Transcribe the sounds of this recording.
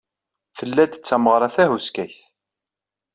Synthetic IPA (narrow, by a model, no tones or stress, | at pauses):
θəlːæd̪ə̥t͡sːæməʁɾˤɑθæɦuskæçθ